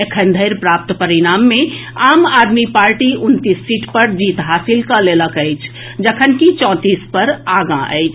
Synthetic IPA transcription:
ekʰənd̪ʱəɪɾpɾap̚t̪pəɾiɾamːẽaːmaːd̪mipaːɾʈiʔʊnt̪isːiʈʰpəɾd͡ʒiːt̪ɦaːsilkəleləkəɪt͡ʃʰ | d͡ʒəkʰənkit͡ʃɔ̃ːt̪iːspəɾaɡãʔə̰ɪt͡ʃʰ

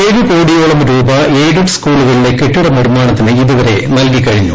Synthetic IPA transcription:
eðukoːɽijoːɭɐmɾuːbɐleːɖɐɽskuːɭuɣɐɭile̞kːeʈːuɽɐmirumaːɳɐt̪ːinɨiðuʋɐre̞̰nɐlkikːɐɻiɲːṵ

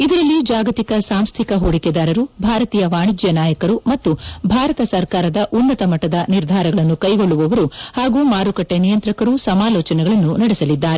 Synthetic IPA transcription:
id̪ɐɾɐlːid͡ʒaːɡɐt̪ikɐsaːmst̪ʰikɐɦoːɽikɛd̪aːɾɐɾubʱaːɾɐt̪iːjɐʋaːɳid͡ʒjɐnaːjɐkɐɾumɐt̪ːubʱaːɾɐt̪ɐsɐɾkaːɾɐd̪ɐʔunːɐt̪ɐmɐʈːɐd̪ɐniɾd̪ʱaːɾɐɡɐɭɐnːukɐjɡo̞ɭːuʋɐʋɐɾuhaːɡuːmaːɾukɐʈːenijɐnt̪ɾɐkɐɾusɐmaːlɔːt͡ʃɐnɛɡɐɭɐnːunɐɽɛsɐlid̪ːaːɾe

